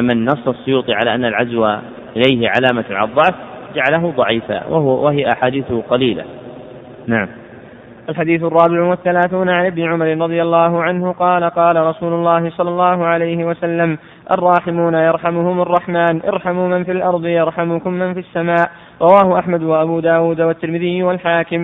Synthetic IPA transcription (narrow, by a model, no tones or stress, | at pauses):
mɪnːɑsˤːɑsˤːʊjuːt̪ˤɨʕala̰ːʔanːalʕazwa̰ː | ʔɪlajɦɪʕa̰laːmaʕa̰lɑðˤːɑʕfd͡ʒaʕalaɦʊd̪ˤɑʕiːfa̰wawaɦɪjaʔaħaːd̪iːθʊqɑliːla̰ | naʕam | ʔalħad̪iːθʊrˤːɑːbɪʕʊwaθːalaːθuːnaʕanʔɪbnɪʕʊmaɾɪnɾˤɑðˤɨjalːɑːɦʊʕanhʊqɑːlaqɑːlaɾˤɑsuːlʊlːɑːhɪsˤɑlːɑlˤːɑːɦʊʕalajhɪwasalːam | ʔɑ̰rˤːɑːħɪmuːnajɑɾˤħamʊhʊmɑrˤːɑħmaːnʔɑ̰ɾˤħamʊmanfilʔɑɾˤd̪ˤɨjɑɾˤħamʊkʊmːanfiasːamaːʔ | ɾˤɑwaːhʊʔaħmad̪waʔabuːd̪aːwuːd̪awat̪ːɪɾmɪðɪjːwalħaːkɪm